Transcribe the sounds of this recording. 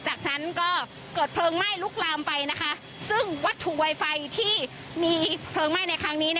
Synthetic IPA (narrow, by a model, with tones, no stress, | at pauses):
t͡ɕaː˨˩k̚nʰa˦˥nkɔː˥˩ | kɤː˨˩t̪̚pʰlɤː˧ŋma˥˩jluː˥˩k̚laː˧mpa˧jna˦˥kʰa˦˥ʔ | sɯ˥˩ŋwa˦˥t̪ʰːu˨˩wa˧jfa˧jt̪ʰiː˥˩ | miː˧pʰlɤː˧ŋma˥˩jna˧jkʰɾa˦˥ŋniː˦˥n˥˩